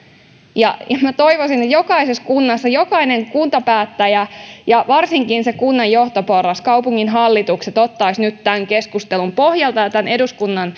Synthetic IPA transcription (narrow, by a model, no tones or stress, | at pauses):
jɑjɑmæt̪o̞iʋosinet̪jo̞kɑiseskunːɑsːɑjo̞kɑineŋkunt̪ɑpæːt̪ːæjæjɑʋɑrsiŋkinsekunːɑjːo̞ht̪opo̞rːɑskɑupuŋːinɦɑlːit̪ukset̪o̞t̪ːɑisnyt̪tæŋke̞skust̪e̞lumpo̞hjɑlt̪ɑjɑt̪æne̞duskunːɑn